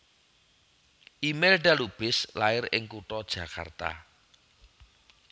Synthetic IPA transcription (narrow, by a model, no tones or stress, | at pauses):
ʔimelɖalub̥ɪslaɪɾɪ̰ŋkuʈɔd̥ʒ̥ä̤ka̰rt̪a̰